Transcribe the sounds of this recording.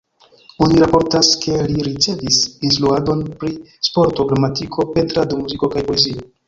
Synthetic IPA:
o̞niɾapo̞ɾtaske̞liɾit͡se̞visins̬tɾuado̞npɾispo̞ɾto̞ɡɾamatikʰo̞pe̞ntɾadomuziko̞kajpo̞e̞zio̞

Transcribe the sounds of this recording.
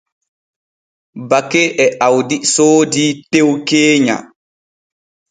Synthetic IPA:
bakːɛʔɛʔawdisoːditewkeːɲa̰

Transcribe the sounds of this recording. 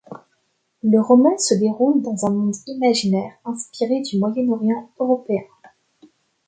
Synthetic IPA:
ləʁɔmɑ̃səd̪eʁuld̪ɑ̃zɛ̃mɔ̃d̪imaʒinɛʁɛ̃spiʁed̪ymwajɛnɔʁjɑ̃øʁɔpeɛ̃

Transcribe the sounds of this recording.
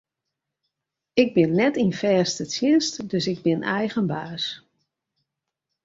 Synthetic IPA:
ɪɡ̚bɪnːɛtinfɛːstət͡sjɪnstdøsɪɡ̚bɪnɛjɣənbaːs

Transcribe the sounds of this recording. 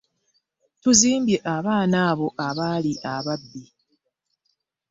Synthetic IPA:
tuziːmbje̞ʔaβaːnaːβo̞ʔaβaːliʔaβabːi

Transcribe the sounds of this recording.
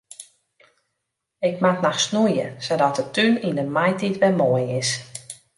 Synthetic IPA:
ɪkmatnɔxsnujəsodɔtətynindəmajtitʋɛmoəjɪs

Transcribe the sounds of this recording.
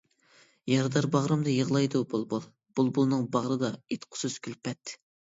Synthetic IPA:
jɑɾd̪ɑɾbɑʁɾɨmd̪ɨjəʁlˠɑjd̪ubulˠbulˠ | b̥ulˠbulˠnɨŋbɑʁɾɨd̪ɑet̪qʰʊ̥suzkʲʰylpɛt̪

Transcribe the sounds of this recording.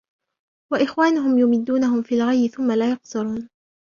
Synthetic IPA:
waʔɪxwaːnʊɦʊmjʊmɪd̪ːuːnaɦʊmfiːlɣajbɪθʊmːalaːjɑqsʊɾuːn

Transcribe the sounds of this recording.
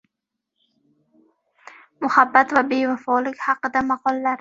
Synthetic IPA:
mʊhabːat̪vabe̞vafɒlɪkʲhɑqɨd̪amɑqʰɒlˠːaɾ

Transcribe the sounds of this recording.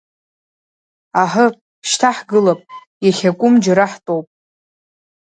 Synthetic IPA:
aħə | ʃtʰaħɡɨlapʼ | jaχʲakʷʼʊmd͡ʒaɾaħtʼowpʼ

